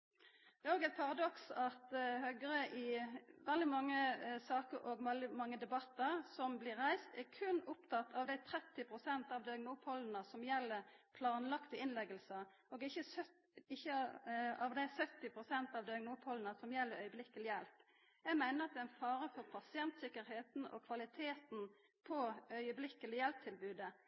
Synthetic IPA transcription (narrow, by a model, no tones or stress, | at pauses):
d̪̥ɛːɾoːɡæɪt̪̚pʰɑɾɑd̪ɔksɑt̪hœɡɾəʔɪʋɛld̪ɪmɑŋːəsɑːkəɾʔɔɡmɑlɪmɑŋːəd̪ɛbɑt̪ːəɾsɔmblɪɾɾæɪst̪ɛʁkʰʉnʊpt̪ʰɑt̪ʰːɑʋd̪æɪt̪ʰɾɛt̪ːɪpʰɾʊsɛnt̪ɑʋd̪øŋnuːpʰɔlənəsɔmjɛlːəɾpʰlɑːnlɑkt̪ɪɪnlɛɡəlsə | oːɡɪçəsœ | ɪçːəɑʋd̪æɪsœt̪ːɪpʰɾʊsɛnt̪ɑʋd̪ɛɡŋnuːpʰɔlnəsɔmjɛlːəɾœʏəblɪkːəlɪjɛlp | jæɪɡmæɪnəɾɑt̪̚d̪ɛæɪnfɑːɾəfɔʁpʰɑsɪɛnt̪sɪkːəɾheːt̪n̩ɔ̰kʰʋɑlɪt̪ʰeːt̪n̩ | pʰɔœʏəblɪkːəlɪjɛlp̚t̪ʰɪlbʉːd̪ə